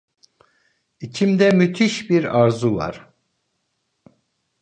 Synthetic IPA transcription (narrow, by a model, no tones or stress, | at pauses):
it͡ʃʰimd̪ɛmyt̪ʰiʃbiɾaɾzuva̰ɾ̥